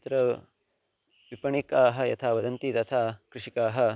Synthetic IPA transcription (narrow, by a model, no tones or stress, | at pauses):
t̪ɾɐ | ʋipɐɳikaːɦɐjɐ̰t̪ʰaːʋɐd̪ɐnt̪it̪ɐt̪ʰaːkɾɪʂikaːɦɐ